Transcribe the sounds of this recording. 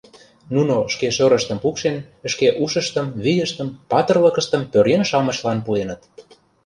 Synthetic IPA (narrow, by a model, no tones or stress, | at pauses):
nunoʃkeʃøɾə̆ʃt̪ə̆mpukʃenəʃkeʔuʃə̆ʃt̪əmβijəʃt̪əmpɑt̪ə̆rləkə̆ʃt̪ə̆mpøɾrenʃɑmə̆ɕlɑnpuenət̪